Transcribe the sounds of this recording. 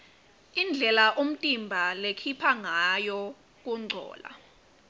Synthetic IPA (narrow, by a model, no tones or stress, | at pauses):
ind͡ɮʱɛlaʔom̩tʼimbʱalekʰipʰaŋajɔ | k̬uŋ͡ǀʱɔ̰ːla̰